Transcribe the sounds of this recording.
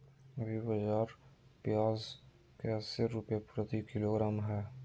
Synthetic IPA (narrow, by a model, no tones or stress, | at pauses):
bʱibɐd͡ʒaːɾpjaːz | kɛːseɾupepɾət̪ikɪloːɡɾaːmɦɛː